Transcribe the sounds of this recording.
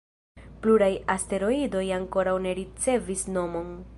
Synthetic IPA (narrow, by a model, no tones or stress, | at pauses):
pluɾajaste̞ɾo̞ido̞jaŋko̞ɾawne̞ɾit͡se̞visno̞mo̞n